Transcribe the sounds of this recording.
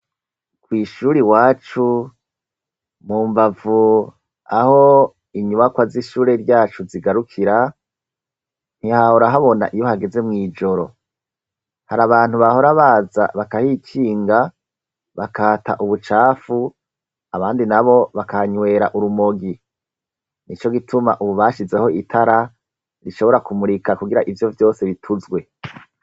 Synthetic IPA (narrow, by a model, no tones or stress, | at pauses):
kwiːʃuːɾiwaːt͡ʃu | muːmbavu | aho̞ | iɲuβakwaziʃuːɾe̞ɾɟaːt͡ʃuziɡaɾukʰiɾa | n̥hihahoɾaɦaβo̞na̰ʔijo̞haɡe̞ze̞mŋiːd͡ʒo̞ɾo̞̰ | haɾaβaːn̥huβaho̞ɾaβaːza̰βakahikʰiːŋɡa | βakʰaːta̰ʔuβut͡ʃaːfu | aβaːndinaβo̞βakaɲwe̞ːɾaʔuɾumoɡi | nit͡ʃo̞ɡitʰuma̰ʔuβuβaːʃize̞ho̞itʰaɾa | ɾiʃo̞βo̞ɾakumuɾikakuɡiɾaʔivjo̞vjo̞ːse̞βitʰuzɡwe̞